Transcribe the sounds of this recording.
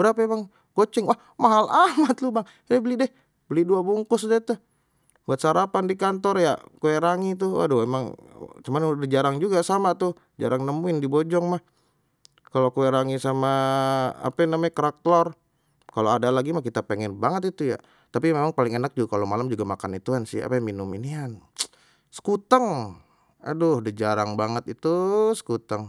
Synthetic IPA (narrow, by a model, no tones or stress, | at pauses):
bəɾapaemaŋ | kot͡ʃɪŋwah | maɦalʔamat̪lubaŋ | dɛbəlidɛh | bəliduabuŋkʊsdɛt̪ʊh | buat̪̚saɾapandikant̪ɔrja̰kueɾaŋit̪̬ʊwa̰duemaŋt͡ʃumandəd͡ʒaɾaŋd͡ʒuɡasamat̪ʊh | d͡ʒa̰ɾaŋnəmuɪndibod͡ʒɔŋmah | kalokueɾaŋisama | a̰panamaɲakəɾak̚t̪lɔr | kaloadalaɡimahkit̪apeŋɛnbaŋət̪it̪uja̰ | t̪apimemaŋpalɪŋenak̚d͡ʒuɡakalomalamd͡ʒuɡamakanit̪ukansɪ̰ha̰pajminʊminian | sə̥kut̪əŋ | a̰dʊhdəd͡ʒaɾaŋbaŋət̪it̪usə̥kut̪əŋ